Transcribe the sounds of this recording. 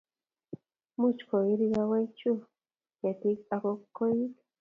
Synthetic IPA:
mu˦t͡ʃko˨i˦ɾi˧ɣa˧we˦jt͡ʃu˦ | ja˨t̪i˦ka˧ko˧kːo˦ji˦k

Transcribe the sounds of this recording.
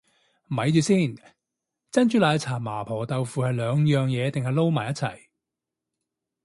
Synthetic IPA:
mɐ˨˧˥jt͡ʃyː˨˧siː˥˩n | t͡sɐ˥nt͡ʃyː˨˥laː˨˧t͡sʰaː˨˩maː˨˩pʰɔː˨˩t̪ɐ˨wfuː˨hɐ˨jlœː˨˧ŋjœː˨ŋjɛː˨˧t̪ɪ˨ŋhɐ˨jlo˥wmaː˨˩jɐ˥t̚t͡sʰɐ̰˨˩j

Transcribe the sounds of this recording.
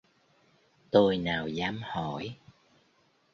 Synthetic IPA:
t̪o˧jnaː˨˩wzaː˨˦mhɔ˧˩˨j

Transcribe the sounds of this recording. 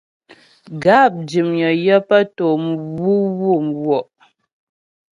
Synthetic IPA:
ɡa˦˨p̚d͡ʒi˨mjɔ˨jə˦pə˦to˨m˦wu˦wu˦˨m˨wwɔ˨ʔ

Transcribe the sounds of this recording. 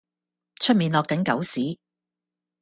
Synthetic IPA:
t͡ʃʰɵ˥t̚miː˨˧nlɔː˨kːɐ˨˥nkɐ̰˨˥wsiː˨˥

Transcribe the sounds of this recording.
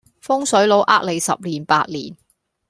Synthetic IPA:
fʊ˥ŋsɵ˨˥ɥlo˨˥wʔa̰ː˥k̚le˨˩jsɐ̰˨p̚liː˨˩npaː˧t̚lḭː˨˩n

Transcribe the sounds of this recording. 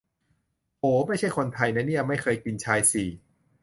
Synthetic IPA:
ʔoː˨˦ma˥˩jt͡ɕʰa˥˩jkʰo˧nt̪ʰa˧jna˧˥ni˥˩ɐma˥˩jkʰɤː˧jki˧nt͡ɕʰaː˧jsi˨˩

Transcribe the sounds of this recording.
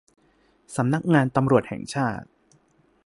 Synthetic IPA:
sa˩˦mna˦˥k̚ŋaː˧nt̪a˧mɾu˨˩ət̪̚hɛ̰ː˨˩ŋt͡ɕʰaː˥˩t̪̚

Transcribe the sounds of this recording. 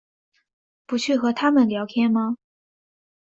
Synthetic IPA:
pu˧˥t͡ɕʰy˥˩xɤ˧˥t̪ʰa˥mə˨nljɑ˧˥ʊkʰjɛ˥nmɐ˧

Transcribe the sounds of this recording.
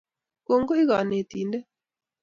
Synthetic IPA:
ko˨ŋɡo˦i˦ɣa˨ne˨t̪iː˨ndɛ˦

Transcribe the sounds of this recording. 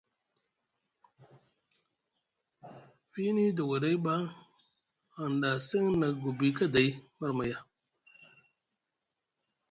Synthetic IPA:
fi˦ni˦da˨wa˨ɾe˦jɓa˦ | a˨nda˨se˦ŋna˨ɡu˨bi˨ka˦da˨ji˦ma˦ɾma˨ja˦

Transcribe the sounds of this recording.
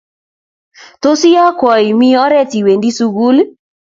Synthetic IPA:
to˦si˦ɔ˦kwɔ˨i˨mi˦ɔ˦ɾɛ˦ti˨we˨ndi˦su˨ɣu˦l

